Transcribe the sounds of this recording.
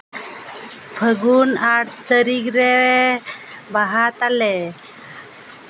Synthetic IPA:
pʰəɡunaɽt̪əɾikɾe | baɦat̪alɛ

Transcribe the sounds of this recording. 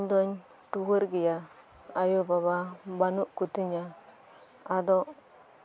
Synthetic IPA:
ɲdɔɲ | tuwəɾɡija | ajobaβabanuʔkut̪iɲa | adɔ

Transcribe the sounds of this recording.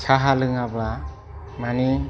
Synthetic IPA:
saɦalɯŋaba | mani

